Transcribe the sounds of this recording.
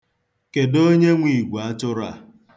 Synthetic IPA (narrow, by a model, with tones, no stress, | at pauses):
ke˨do˦ɲe˦ŋʷi˨ɡʷa˦tʊ˦ɾa̰˨